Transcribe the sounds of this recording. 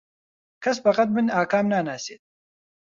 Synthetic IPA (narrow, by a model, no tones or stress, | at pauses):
kʰɐs̬bɐqɐt̪̚mɨnaːkaːmnaːnaːseːt̪̚